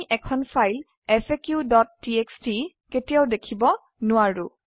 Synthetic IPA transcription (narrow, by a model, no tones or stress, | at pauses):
ʔɛkʰɔnpʰajl | ɛfekjudɔtːieksti | ketijawdekʰibɔ | nʊaɹu